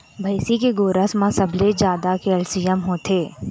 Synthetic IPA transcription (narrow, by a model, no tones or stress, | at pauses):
bʱɐɪsikeɡoːɾəsmãsəbʱled͡ʒjaːd̪akeəlsijəmɦoːt̪ʰeː